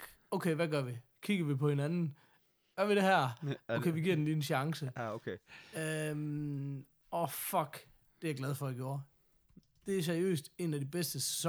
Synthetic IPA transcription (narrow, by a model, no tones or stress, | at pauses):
oʊkʰeɪʋæɡ̥ɶɐʋikʰiɡ̥ɐʋipʰɒ̽he̝nænn̩ | ɡ̥ɶɐʋiɾ̥e̝ɦæɐ̰oʊkeɪʋiɡ̥iɐ̰denliːenɕɑ̈ŋsəkʰeøm | ɒfɒ̽ɡ̥ | d̥e̝æɐɡ̥læð̞ˠfɒ̽æɡ̥jo̝ːɐ | d̥e̝æɐs̬æɐiø̰ːsd̥e̝næd̥ib̥esd̥əss